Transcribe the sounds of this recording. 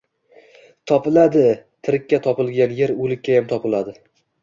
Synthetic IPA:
t̪ʰɒpɪlad̪ɪt̪ʰɪɾɪkʲːat̪ʰɒpɪlˠɡʲanje̞ɾɵlɪkʲːajamt̪ʰɒpɪlad̪ɪ

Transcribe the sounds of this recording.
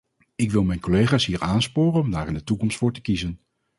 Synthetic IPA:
ɪkʋɪlˠmɛjnkolejχaːsɦiːɹʔaːnspoːrənɔmdaːɾɪndətukɔmstfʊːɹtə̥kizən

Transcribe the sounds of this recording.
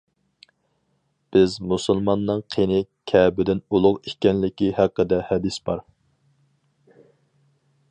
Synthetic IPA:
b̥ɪzmusulˠmɑnːɨŋqʰenɪkʲʰɛbɪd̪ɪnulˠʊqikʲɛnlɪkʲihæqːəd̪ɛhɛd̪ɪsbɑ̰ɾ

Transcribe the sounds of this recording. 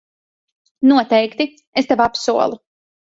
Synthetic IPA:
nuɔt̪ɛjkt̪i | est̪evapsuɔlˠu

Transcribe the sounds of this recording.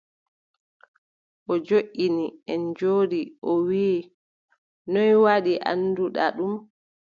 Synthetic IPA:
ʔɔd͡ʒoʔːiniɛnd͡ʒoːɗiʔɔwiː | nɔjwaɗiʔa̰nːduɗa̰ɗum

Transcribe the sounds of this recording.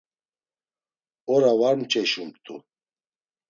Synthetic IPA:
ɔɾavaɾnt͡ʃʼɛʃumt̪ʼṵ

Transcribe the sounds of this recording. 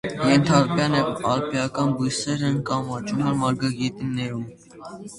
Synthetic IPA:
jɛnt̪ʰɑɾpjɑnɑɾpjɑkɑnbujsɛɾɛnkɑmɑt͡ʃumɛɾmɑɾɡɑɡit̪inːɛɾum

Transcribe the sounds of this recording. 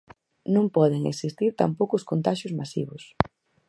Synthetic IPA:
nõmpɔðeŋḛksist̪iɾt̪a̰mpowkʊskont̪aʃʊzmasḭβʊs

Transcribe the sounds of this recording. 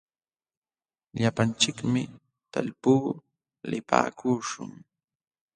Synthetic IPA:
ʎapant͡ʃɪkmɪ | t̪a̰ʎpuː | lɪpa̰ːkuʃʊ̰ŋ

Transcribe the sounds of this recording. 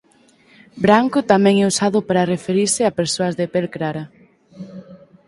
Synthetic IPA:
bɾaŋkʊt̪amɛ̃ŋɛusaðʊpaɾɐrefeɾiɾsɪapeɾsoɐzðepelkɾaɾɐ

